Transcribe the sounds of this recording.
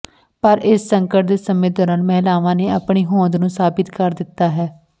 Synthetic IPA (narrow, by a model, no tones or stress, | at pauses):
pəɾɪsːəŋkəʈd̪eːsəmẽːd̪ɔːɾaːnmɛɦlaːʋãːneːəpɳiːɦõːnd̪nũːsaːbɪt̪kəɾd̪ɪt̪ːaːɦɛː